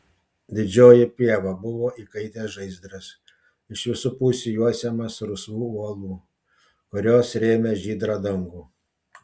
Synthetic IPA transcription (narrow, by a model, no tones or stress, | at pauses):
d̪ʲɪd͡ʒʲoːjɪpʲiɛʋɑbʊʋoːʔiːkɐɪt̪ʲeːsʒɐɪzd̪ɾɐs | ɪʃʋʲɪsupuːsʲujuɔsʲɛmɐsɾʊsuːuɔlˠuː | kʊɾʲoːsɾʲeːmʲɛʒʲiːd̪ɾɑːd̪ɐŋɡuː